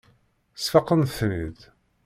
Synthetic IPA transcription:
sfɑqːənθnið

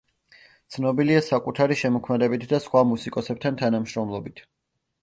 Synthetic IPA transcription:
t̪sʰnɔbiliasakʼut̪ʰaɾiʃɛmɔkʰmɛd̪ɛbit̪ʰd̪asχwamusikʼɔsɛp̚t̪ʰant̪ʰanamʃɾɔmlˠɔbit̪ʰ

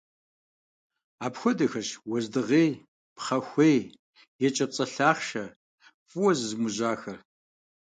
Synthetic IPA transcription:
aːpxʷɔdɐxɐɕwɔzdɨʁeːj | pχɐxʷej | jɛt͡ʃʼɐt͡sʼɐɬaːχʃɐ | fʼʊwɔzɨzmʊʑaːxɐr

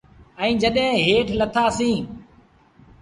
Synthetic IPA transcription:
ɛ̃ːd͡ʒəɗɦẽːɦeːʈʰlət̪ʰaːsĩː

